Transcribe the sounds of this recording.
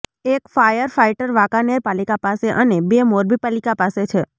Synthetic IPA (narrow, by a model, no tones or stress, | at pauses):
ekfajəɾfaiʈəɾʋakaneɾpalikapaseʔənebemoɾbipalikapaset͡ʃʰe